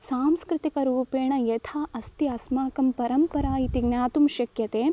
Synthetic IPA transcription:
saːmskɾɪt̪ikɐɾuːpeːɳɐjɐt̪ʰaːʔɐst̪iɐsmaːkɐmpɐɾɐmpɐɾaːit̪iɡnjaːt̪umʃɐkjɐt̪eː

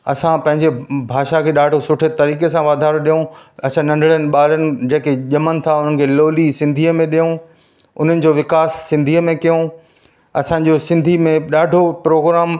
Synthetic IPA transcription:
ɐ̰sãpɐ̃ɦɪ̃ɲd͡ʑebʱaːʃakʰeːɗaːɖʱosʊʈʰet̪ɐɾiːkesãʋaːd̪ʱaːɾoɗijõɐt͡ɕʰãnɐ̃ɳɖʱəɭənɪ̆ɓaːlənɪ̆d͡ʑeːkeʄɐmənɪ̆t̪ʰaʊn̤ənɪ̆kʰeːloːlisɪ̃nd̪ʱiːəmẽɗijõ | ʊn̤ənɪ̆d͡ʑoːʋɪkaːsːɪ̃nd̪ʱiːəmẽkijõ | ɐ̰sãd͡ʑoːsɪ̃nd̪ʱimẽɗaːɖʱopɾoːɡɾaːm

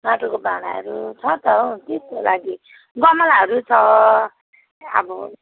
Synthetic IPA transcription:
maʈokobaɽ̃aɦʌ̰ɾut͡sʰʌt̪ʌt̪eskolaɡi | ɡʌmʌlaɦʌɾut͡sʰʌ | ʌ̰bʌ

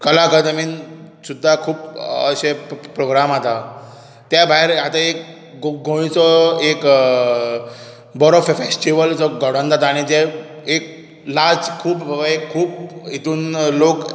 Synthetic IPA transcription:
kəlakəd̪əmiːnsud̪ʱːakʰuːpə̰ɕepɾoɡɾamat̪a | t̪jabʱaeɾat̪aek | ɡɡõĩt͡sɔek | bɔɾɔffesʈiʋəlt͡sɔɡɔɽ̤ə̃nd͡z̪at̪aaɽ̃id͡zeek̚ | laɾd͡zkʰuːpbʱəbekʰːuːpit̪uːnlok

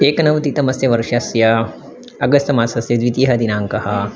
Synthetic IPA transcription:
peːkɐnɐʋt̪it̪ɐmɐsjɐʋɐɾʃɐsjɐ | ɐɡɐst̪ɐmaːsɐsjɐd̪ʋit̪jɐɦɐd̪inaːŋkɐhɐ

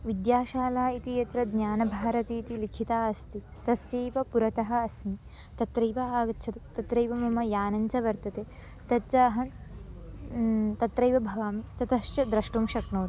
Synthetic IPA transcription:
ʋid̪jaːʃaːlaːit̪ijɐt̪ɾɐd̪njaːnɐbʱaːɾɐt̪iːt̪ilikʰit̪aːɐst̪i | t̪ɐsjeːʋɐpuɾɐt̪ɐɦɐ̆ɐsmi | t̪ɐt̪ɾɐjʋɐaːɡɐtt͡ʃʰɐt̪ut̪ɐt̪ɾɐjʋɐmɐmɐjaːnɐɲt͡ʃɐʋɐɾt̪ɐt̪eː | t̪ɐt͡ʃaːɦɐ | t̪ɐt̪ɾɐjʋɐbʱɐʋaːmit̪ɐt̪ɐʃt͡ʃɐd̪ɾɐʃʈumʃɐknoːt̪u

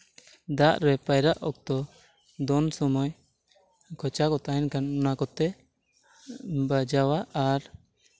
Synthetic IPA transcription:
d̪aʔɾɛpajɾaʔʔɔk̚t̪ɔ | d̪ɔnsɔmɔj | kʰɔt͡ʃakɔt̪aɛnkanɔnakɔt̪ɛ | bad͡ʒawaʔaɾ

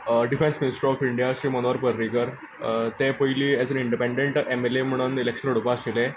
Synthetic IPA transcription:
ɖifẽnsminisʈɾɾɔfiɳɖjaɕiːmənoʋəɾpəɾːikəɾ | t̪epəiliːɛd͡zəniɳɖipẽɳɖeɳʈemelem̤əɽ̃unilekɕənuɽpasilẽ

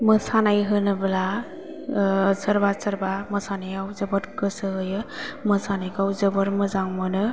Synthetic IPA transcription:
mɯsanajɦɯnɯbɯla | səɾbasəɾbamɯsanajawzɯbɯɾkɯsɯɦɯjɯmɯsanajkawzɯbɯɾmɯzaŋmɯnɯ

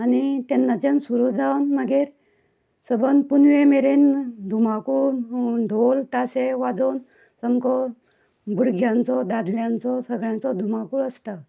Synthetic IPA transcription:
anit̪enːat͡ɕensuɾud͡zʱawnməɡeːɾ | səbənd̪punʋemeɾend̪ʱumakuːd̪ʱolt̪aseʋad͡zon | səmkʰɔ | buɾɡʱjãnt͡sɔd̪ad̪ljãnt͡sɔsəɡɭjãnt͡sɔd̪ʱumakuəst̪ə

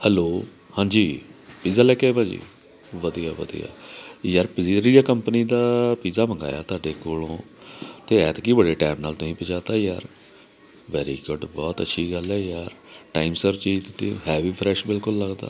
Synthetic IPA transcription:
hɛloː | hãːɲd͡ʒiːpiːzaːlɛːkebaːd͡ʒḭː | ʋəd̪ijaːʋə̰d̪ḭja̰ːjəɾpɪziːɾijaːkəmpəniːd̪aːpiːzaːməŋɡa̰ːja̰ːt̪ʰʊaːɖeːkoːlõː | t̪eːɛːt̪ːkiːbəɖeːʈɛːmnaːlt̪ʊɦĩːpət͡ʃaːt̪aːjaːɾ | ʋɛːɾḭːɡʊɖbɔːt̪ə̰ːʃʰiːɡəlɛːjaːɾ | ʈa̰ːimsəɾt͡ʃiːt̪t̪ːĩːɦɛːʋiːpʰɾɛːʃbɪlkʊlːəɡd̪a̰ː

